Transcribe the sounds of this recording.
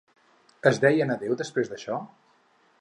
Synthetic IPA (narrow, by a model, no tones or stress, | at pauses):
əzðɛjənəðewd̪əspɾezðəʃɔ